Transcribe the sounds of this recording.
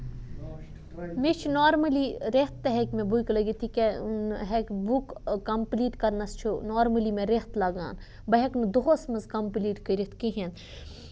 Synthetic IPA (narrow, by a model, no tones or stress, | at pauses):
met͡ʃʰunoːɾmɐliɾet̪ːɐɦekʲmẽbujklɐɡit̪ʰikenɦekʲbukkɐmpliːʈkɐɾnɐst͡ʃʰunoːɾmɐlimẽɾeht̪laɡa̰ːn | bɐɦeknud̪oɦosmɐzkɐmpliːʈkɐɾit̪ʰkiɦẽn